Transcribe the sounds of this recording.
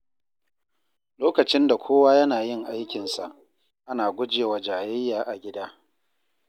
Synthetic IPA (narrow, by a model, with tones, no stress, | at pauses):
loː˦kɐ˨t͡ʃɪ˦nda˨kʷʰoː˦waː˦jɐ˦naː˨jɪ˦ŋʔa˦jkʲɪ˨nsa̰˨ʔ | ʔa˦naː˨ɡʷʊ˦d͡ʒeː˨wa˨d͡ʒaː˨jɪ˦jːaː˨ʔa˨ɡʲɪ˦daː˦